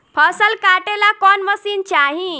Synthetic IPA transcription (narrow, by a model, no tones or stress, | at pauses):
pʰəsəlkaʈelakɔnməsiːnt͡ʃaɦĩ